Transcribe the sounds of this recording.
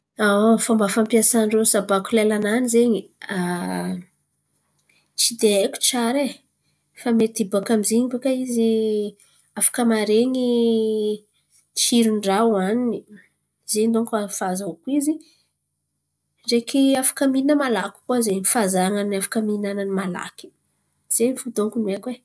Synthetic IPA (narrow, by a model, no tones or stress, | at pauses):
afambafampiasaɳɖ͡ʐesabakulelananizeɲia | t͡sid̪eajkʲu̥t͡ʃaɾe | famet̪ibakamizeɲivakaizi | afḁkəmaɾeɲi | t͡ʃiɾuɳɖ͡ʐawanni | zed̪oŋkafazakuizi | ɖ͡ʐekiafḁkəmiinəmalakʲu̥kwazeɲifazaŋanafḁkəminananimala̰ki̥ | z̥eɲifud̪oŋkunuekwe